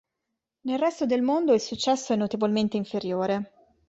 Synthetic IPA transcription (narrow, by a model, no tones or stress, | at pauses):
nelrɛst̪od̪elmond̪oɛsut͡ʃːɛsːoɛnːot̪evolment̪eiɱfeɾjoːɾe